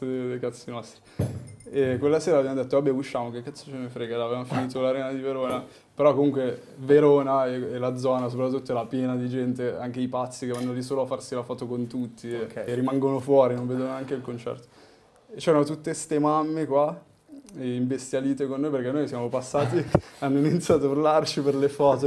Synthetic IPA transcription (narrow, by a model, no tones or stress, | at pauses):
ed̪ejkat̪sːinɔst̪ɾi | ekːwelːaseːɾavjamod̪et̪ːoabeut͡ʃːaːmokekːat̪sːot͡ʃenefɾeɡalavevamofiniːt̪olaɾeːnad̪iveɾoːna | peɾɔkːomuŋkwe | veɾoːnaeelad̪zɔːnas̬op̬ɾat̪ːut̪ːoɛɾapjɛːnad̪id͡ʒɛnt̪eaŋk̟eipat̪sːikevanːolis̬oːloafːarsilafɔːt̪okont̪ut̪ːikrːimaŋɡonofwɔːɾinõɱveːd̪ononeaŋkeilkont͡ʃɛ̰rt̪o̥ | t͡ʃɛːɾanot̪ut̪ːest̪emamːekwa | iɱbest̪jaliːt̪ekonːoːjperkɛnːojsjaːmopasːaːt̪ianːoinit̪sjat̪urlart͡ʃiperlefɔːt̪o